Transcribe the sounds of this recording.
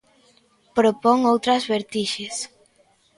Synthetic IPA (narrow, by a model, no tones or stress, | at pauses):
pɾopɔŋowt̪ɾɐzβeɾt̪iʃes